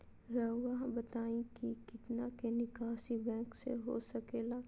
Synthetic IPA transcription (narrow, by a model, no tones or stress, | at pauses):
ɾəwaɦbɐt̪aːĩkikɪt̪nakenɪkaːʃibɛ̃ːksḛɦo̰sɐkeːlaː